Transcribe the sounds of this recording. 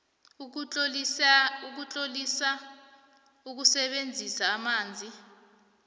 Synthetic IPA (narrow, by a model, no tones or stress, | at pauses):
uk̬ut͡ɬʼolisa | uk̬usɛɓend͡zʱisaːmaːnd͡zʱi